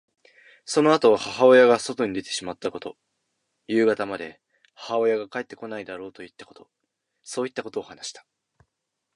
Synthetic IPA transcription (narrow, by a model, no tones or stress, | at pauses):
so̞no̞at̪oβ̞ahaɦao̞jaɡaso̞t̪o̞ɲ̟id̪e̞t̪e̞ɕimat̪ːako̞t̪o̞ | jɯ̟ːɡat̪amad̪e̞ | hahaojaɡakae̞t̪ːeko̞naid̪aɾo̞ːt̪o̞it̪ːḁko̞t̪o̞ | so̞ːit̪ːako̞t̪o̞ːhanaɕi̥t̪ḁ